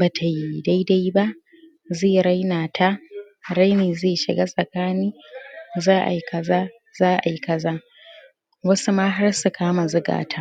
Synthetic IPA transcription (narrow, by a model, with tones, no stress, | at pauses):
baː˨tʰa˨ji˦da˦jda˦jba˦ʔ | zeː˦˨ɾa˦jnaː˨tʰa˦ | ɽa˦jneː˨zeː˦˨ʃɪ˨ɡaː˦sʼɐ˨kaː˦niː˦ | zaː˦ʔa̰˨ji˦kɐ˦zaː˦ | zaː˦ʔa̰˨ji˦kɐ˦zaː˦ | wɐ˦su˦maː˦ɦa˦rsu˨kʰaː˦ma˨zʊ˦ɡa̰ː˨tʰa˦